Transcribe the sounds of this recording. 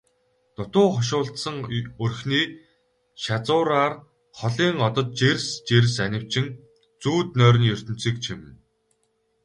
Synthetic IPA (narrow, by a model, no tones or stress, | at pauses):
t̪ʊt̪ʊːχɔʃ̬ʊːɮt̪sə̆ŋɵrxniː | ʃat͡sʊːɾaːr | χɔɮiːŋɔt̪ɞ̆t̪̚t͡ɕerʲst͡ɕerʲsænʲɪ̆w̥t͡ɕʰɪ̆n | t͡suːt̪nœːɾ̆ʲnjɵr̥ʲt̪ɵ̆n̥t͡siːk̚t͡ɕʰimɘ̆n